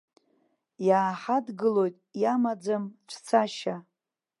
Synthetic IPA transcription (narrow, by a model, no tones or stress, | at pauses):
jaːħadɡɨlo̞jtʼjamad͡zamʈ͡ʂʷʰt͡sʰaʃa